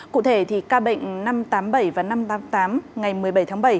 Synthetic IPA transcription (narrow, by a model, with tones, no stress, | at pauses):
kṵ˧˨t̪ʰe˧˩t̪ʰi˨˩kaː˧ɓə̰˧˨jŋ̟na˧mt̪aː˨˦mɓə˧˩jvaː˨˩na˧mt̪aː˨˦t̪aː˨˦mŋa˨˩jmɨ˨˩əjɓə˧˩jt̪ʰaː˨˦ŋɓə˧˩j